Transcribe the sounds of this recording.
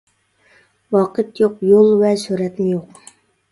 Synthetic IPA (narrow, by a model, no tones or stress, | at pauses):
wɑːqʰət̪joqjolˠvɛsyɾɛt̪mɪjoq